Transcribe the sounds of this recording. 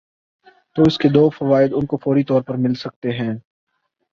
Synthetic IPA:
t̪oːɪsked̪oːfɐʋaːɪd̪ʊnkofɔːɾit̪ɔːɾpɐɾmɪlsɐk̚t̪eɦɛ̃ː

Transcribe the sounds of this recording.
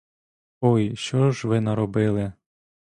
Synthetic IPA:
ɔjʃt͡ʃɔʒʋɪnɐɾɔbɪlˠɪ

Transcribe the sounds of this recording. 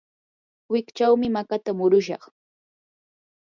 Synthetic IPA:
wɪkt͡ʃawmɪmakat̪amʊɾʊʃɑ̰χ

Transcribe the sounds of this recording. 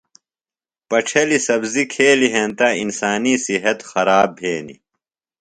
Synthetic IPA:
pɐʈ͡ʂʰɐlisɐbzikʰeːliɦẽnt̪ainsaːnisiɦɐt̪xɐɾaːbʱeːnḭ

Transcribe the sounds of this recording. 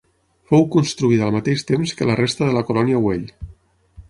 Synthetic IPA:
fowkunst̪ɾuiðəlˠmat̪eʃt̪emskələrest̪əðələkulɔniəweʎ

